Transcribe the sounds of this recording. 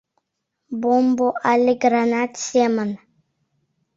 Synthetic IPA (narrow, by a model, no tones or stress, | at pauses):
bomboʔaliɡɾanat̪siemən